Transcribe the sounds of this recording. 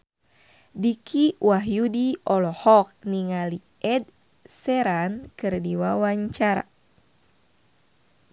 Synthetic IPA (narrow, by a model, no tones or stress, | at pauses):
dikiwaɦjudiʔɔlɔhɔk̚niŋali | ʔɛd̚ | sɛɾankɨrdiwawaɲt͡ʃaɾa̰